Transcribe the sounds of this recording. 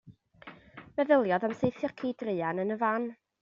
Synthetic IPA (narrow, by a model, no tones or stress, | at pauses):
mɛðəlˠjɔðamsejθjɔkʰidrɨːanənəvan